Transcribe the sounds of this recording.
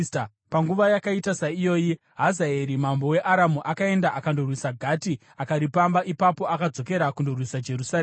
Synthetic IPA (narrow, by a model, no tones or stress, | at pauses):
t | paŋɡuʋajakaitasaijo̞ːji | ɦazaeɾimambo̞we̞ʔaɾamuʔakae̞ndaʔakandorwisaɡʱati | akaɾipambaʔipapo̞akad͡zo̞ke̞ɾakundorwisad͡ʒe̞rusaɾ